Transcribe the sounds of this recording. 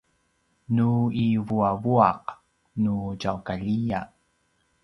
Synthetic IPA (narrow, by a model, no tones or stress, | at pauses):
nuivuavuɑq | nud͡ʒawkaʎija